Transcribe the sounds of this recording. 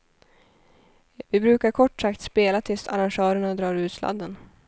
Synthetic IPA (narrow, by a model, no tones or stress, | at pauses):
vɪbɾʉ̟ːkaɾkʰɔʈːsakt̪speːlat̪ʰɪlst̪a̰ɾanɧœːɾəɳad̪ɾɑːɾʉ̟ːt̪slʔa̰d̪ːən